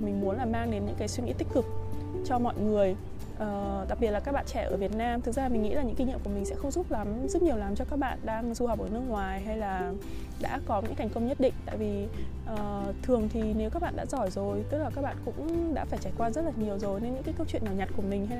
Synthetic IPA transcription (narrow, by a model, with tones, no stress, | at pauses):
mi˨˩ŋmu˨˦ənlaː˨˩maː˧ŋɗe˨˦nɲɨ̰˧˥ŋkaː˨˦jswi˧ŋḭ˧˥t̪ï˦˥k̟̚kɨ˨˩k̚ | t͡ɕɔ˧mɔ̰˧˨jŋɨ˨˩əj | ʔəː˨˩t̪a˨˩k̚ɓi˨˩t̚laː˨kaː˦˥k̚ɓa̰ː˧˨nt͡ɕɛ˧˩ʔəː˧˩vi˨˩ət̚naː˧mt̪ɨ˨˩k̚zaː˧mï˨˩ŋ̟ŋḭ˧˥la˨˩ɲɨ̰˧˥ŋki˧ŋɲḭ˧˨mku˧˩mï˨˩sɛ̰˧˥xə˧wŋ͡mzu˦˥p̚la˨˦mzə˦˥t̚ɲi˨˩əwlaː˨˦mt͡ɕɔ˧kaː˦˥k̚ɓa̰ː˧˨nɗaː˧ŋzu˧hə˨˩wk͡p̚ʔəː˧˩nɨ˧əŋwaː˨˩jɦa˧jlaː˨˩ | ɗa̰ː˧˥kɔ˨˦ɲɨ̰˧˥ŋka˨˩ŋkə˧wŋ͡mɲə˦˥t̚ɗḭ̈˧˨ŋ̟t̪a̰ː˧˨jvi˨˩ʔəː˨˩t̪ʰɨ˨˩əŋt̪ʰi˨˩ne˨˦wkaː˦˥k̚ɓa̰ː˧˨ɗa̰ː˧˥zɔ˧˩jzo˨˩jt̪ɨ˦˥k̚laː˨˩kaː˦˥k̚ɓa̰ː˧˨nkʊ̰˧˥ŋ͡mɗa̰ː˧˥faː˧˩jt͡ɕaː˧˩jkwaː˧zə˦˥t̚laː˨˩ɲi˨˩əwzo˨˩jne˧nɲɨ̰˧˥kaː˨˦kə˧wt͡ɕwḭ˧˨ənɲaː˨˩ɲa˨˩t̚ku˧˩əmï˨˩ŋ̟ɦa˧j